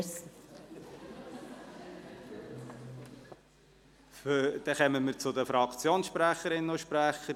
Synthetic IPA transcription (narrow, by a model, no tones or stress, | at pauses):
fd̥̪ɛχœməməɾt͡sʊdəfɾɑkt͡sjoːnsʃpɾæχəɾɪnənoʃpɾæχəɾ